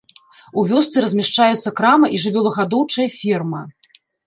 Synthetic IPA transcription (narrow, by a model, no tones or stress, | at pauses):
uvʲɔst̪sɨɾɐzʲmʲɛʂt͡ʂajut̪sːɐkɾamɐʔiʐɨvʲɔlˠɐɣad̪ɔwt͡ʂɐjɐfʲirmɐ